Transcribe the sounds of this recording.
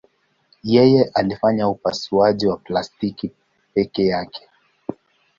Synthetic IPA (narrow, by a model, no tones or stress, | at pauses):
jɛjɛʔalifaɲaupasuaʄiwaplastiki | pɛkɛjakʰɛ̥